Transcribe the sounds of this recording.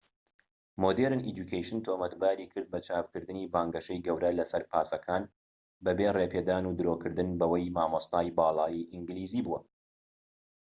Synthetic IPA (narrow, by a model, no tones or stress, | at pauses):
mod̪eɾɨnʔid͡ʒukʰejʃɨnt̪ʰoːmɐt̪baːɾiːkʰɨɾd̪̚bɐt͡ʃʰaːpkɨɾd̪ɨniːbaːŋɡɐʃɐjɡɐwɾɐlɐsɐɾpʰaːsɐkʰaːn | bɐbeːreːpʰeːd̪aːnuːd̪ɨɾoːkʰɨɾd̪ɨnbɐwɐjmaːmɐst̪aːjbɑːlˠɑːjiʔiŋɡɨliːziːbuwɐ